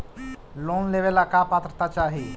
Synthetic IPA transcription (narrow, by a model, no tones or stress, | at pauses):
loːnleʋelakapaːt̪ɾət̪at͡ʃaːɦi